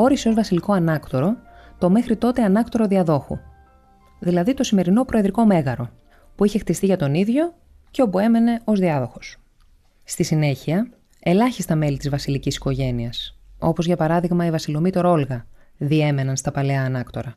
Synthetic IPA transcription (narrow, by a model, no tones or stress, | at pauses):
o̞ɾisozvɐsiliko̞ɐnɐkt̪o̞ɾo̞t̪o̞me̞xɾit̪o̞t̪e̞ɐnɐkt̪o̞ɾo̞ðiɐðo̞xṵ | ðilɐðit̪o̞sime̞ɾino̞pɾʔo̞eðɾiko̞me̞ɣɐɾo̞ | puiçe̞xt̪ist̪iʝɐt̪o̞niðʝo̞ | ceo̞pue̞me̞ne̞o̞zðiɐðo̞xo̞s | st̪isine̞çiɐ | e̞lɐçist̪ɐme̞lit̪izvɐsilicisi̥ko̞ʝe̞niɐso̞pozʝɐpɐɾɐðiɣmɐivɐsilo̞mit̪o̞ɾo̞lɣɐ | ðie̞me̞nɐnst̪ɐpɐleɐːnɐkt̪o̞ɾɐ